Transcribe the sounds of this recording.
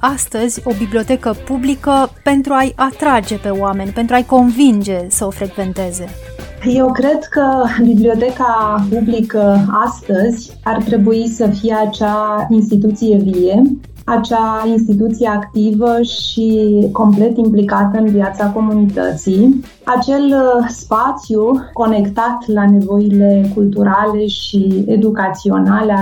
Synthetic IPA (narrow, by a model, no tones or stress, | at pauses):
ast̪əzʲo̞biblio̞t̪e̞kəpublikəpe̞nt̪ɾuajat̪ɾad͡ʒe̞pe̞owame̞nʲpent̪ɾuajko̞nvind͡ʒe̞səo̞fɾe̞ɡve̞nt̪e̞ze̞ | je̞wkɾe̞d̪kəbiblio̞t̪e̞kapublikəast̪əzʲ | art̪ɾe̞buisəfijeat͡ʃainst̪it̪ut̪sije̞vije | at͡ʃainst̪it̪ut̪sije̞akt̪ivəʃiko̞mple̞t̪implikat̪əɨnvjat̪sako̞munit̪ə̰t̪sij | at͡ʃe̞lspat̪sjuko̞ne̞kt̪at̪lane̞vo̞ile̞kult̪uɾale̞ʃied̪ukat̪sio̞̰nale